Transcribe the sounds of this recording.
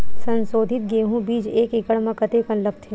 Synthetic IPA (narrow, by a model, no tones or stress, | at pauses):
sɐ̃nsoːd̪ʱɪt̪̚ɡeːɦũbiːd͡ʒeːkɪkəɽmãkət̪eːkɐ̃nləp̚t̪ʰio